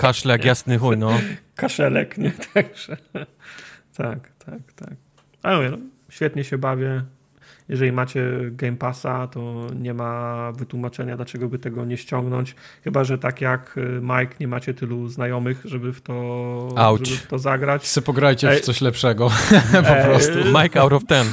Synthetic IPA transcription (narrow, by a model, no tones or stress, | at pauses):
kaʂlɛkjasnɘxunɔkaʂɛlɛ̰kɲɛt̪ʰaɡʐ̥ɛ | t̪ʰakt̪ʰakt̪a̰k̚ | auvʲɛ | ɕfʲjɛt̪̚ɲɛɕɛbavʲjɛ | jɛʐɛlʲimat͡ɕɛɡɛjmpasat̪ɔɲɛmavɘt̪wumat͡ʂɛɲad̪lat͡ʂɛɡɔbɘt̪ɛɡɔɲɛɕt͡ɕɔŋɡnɔɲt͡ɕ | xɘbaʐɛt̪akjakmajkɲɛmat͡ɕɛt̪ɘluznajɔmɘxʐɛbɘft̪ɔawʐɛbɘftt̪ɔzaɡɾat͡ɕsɛpɔɡɾajt͡ɕɛt̪sɔɕlɛpʂɛɡɔɔpɾɔt̪umajkawɾɔft̪ɛm